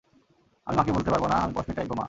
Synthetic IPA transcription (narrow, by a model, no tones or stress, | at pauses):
a̰mimakebolt̪epaɾbonaamipɔʃmeʈajboma̰